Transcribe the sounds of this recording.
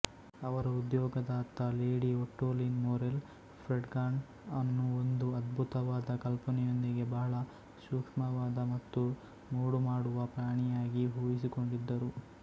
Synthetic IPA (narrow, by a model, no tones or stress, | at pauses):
ɐʋɐɾɐud̪jɔːɡɐd̪ɐɐt̪ːɐleːɽioʈːoːlinmoːɾel | pʰɾeɖɡaːɳ | ɐnːuond̪uɐd̪bʱut̪ɐʋaːd̪ɐkɐlpɐnɛjo̞nd̪iɡe̞bɐɦɐɭɐ | ʃuːkʂmɐʋaːd̪ɐmɐt̪ːu | moːɽumaːɽuʋɐpɾaːɳɛjaːɡiɦuːʋis̬iko̞ɳɖid̪ːɐɾu